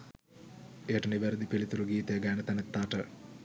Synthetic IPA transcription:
ejəʈəniʋeɾəd̪ipilit̪uɾuɡiːt̪əjəɡaːnət̪ænɛt̪ːaːʈə

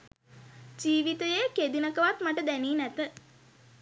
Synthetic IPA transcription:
d͡ʒiːʋit̪əjeked̪inəkəʋat̪maʈəd̪æniːnæt̪ə

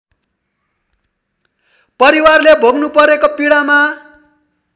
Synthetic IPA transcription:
pʌɾiwarlebʱoɡnupʌɾekopiɽama

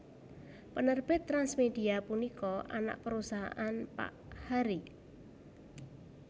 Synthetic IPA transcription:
pənərb̥ɪt̪ːɾansmed̪̥iapunikɔʔa̰na̰ʔpəɾusaɦa̰ʔanpa̰ʔhaɾi

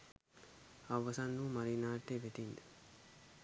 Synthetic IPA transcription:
ɐʋːɐsɐnːuːmɐɾiːnaːʈːeʋeʈ̪ind̪e

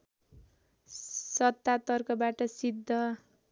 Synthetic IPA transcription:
sʌt̪ːat̪ʌrkʌbaʈʌsid̪ʱːʌ

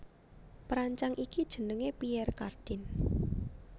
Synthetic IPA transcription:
pɾaɲt͡ʃaŋʔikid̥ʒ̥ə̤nəŋepiɛrkard̥ɪn

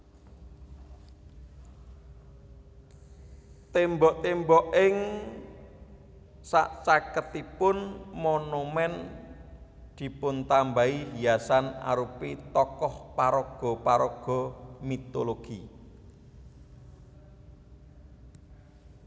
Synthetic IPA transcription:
t̪embɔʔt̪embɔʔɪŋ | sa̰ʔt͡ʃakət̪ipʊnmonumɛn | d̪̥i̤pʊnt̪ambaihijasana̰ɾupit̪ɔkɔhpaɾɔɡ̥ɔ̤paɾɔɡ̥ɔ̤mit̪oloɡ̥i

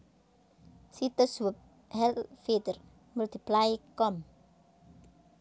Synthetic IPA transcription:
sit̪əsuwəp̚ | hɛlfed̪ər | mult̪iplajikɔm

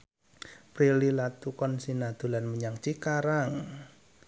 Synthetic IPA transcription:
pɾililat̪ukɔnsinad̪̥o̤lanməɲaŋt͡ʃikaɾaŋ

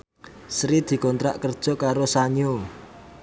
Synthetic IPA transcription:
sɾid̪̥i̤kɔnt̪ɾa̰ʔkərd̥ʒ̥ɔ̤kaɾosaɲo

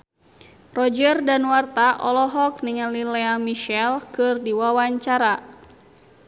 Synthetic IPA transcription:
rɔd͡ʒərdanwart̪aʔɔlɔɦɔk̚niŋalilɛamiʃɛlkɨrdiwawaɲt͡ʃaɾa

